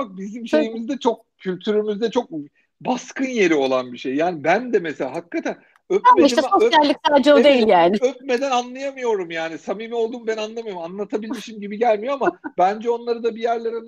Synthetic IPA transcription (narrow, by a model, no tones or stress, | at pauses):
fak̚bizimʃe̞jimizd̪ɛt͡ʃʰo̞k̚cʰylʲt̪ʰyɾymyzd̪ɛt͡ʃʰo̞k̚ | baskʰɯnje̞ɾio̞lˠanbiʃe̞jːaːnibænd̪ɛmesela̰ːɦakːat̪ʰæn | øpameiʃɛt̪ɛso̞sjælʲːic̚t̪ʰɛd͡ʒod̪e̞jilʲjaːnɪøp̚me̞d̪ænanlˠajamɯjo̞ɾumjaːnisamimio̞lˠd̪uːmbænanlˠamɯjoɾomanlˠat̪ʰabilʲmiʃimɟibiɟælʲmijo̞amabænd͡ʒɛo̞nlˠaɾɯd̪abijæɾlʲeɾin